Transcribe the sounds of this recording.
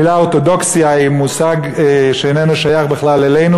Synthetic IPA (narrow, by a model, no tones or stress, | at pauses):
ilaoʁt̪od̪o̞ksiaimusaɡʃeenenuʃajaχbeχlalelejnu